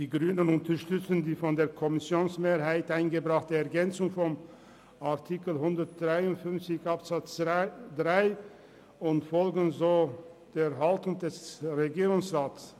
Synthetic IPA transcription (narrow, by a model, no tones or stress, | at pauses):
d̥iːɡʁyːnənʊntɐɐʃtʏt͡sən̩diːfɔndeːɐkʰɔmɪsjoːnsmeːɐɦaɪtʔaɪnɡəbʁaχtəɛɐɡɛnt͡sʊŋfɔm | aɐtʰikl̩ɦʊndɐt̚d̥ʁaɪʊntfʏnft͡sɪçʔapz̥at͡sd̥ʁaɪ | ʊntfɔlɡn̩zoːd̥eːɦaltʊŋdɛsʁeɡiːʁʊŋsʁaːts